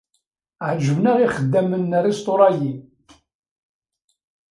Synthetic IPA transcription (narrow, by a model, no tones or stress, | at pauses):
ʕʒəvnəʁiχəd̪ːæmənːərist̪oɾˤɑji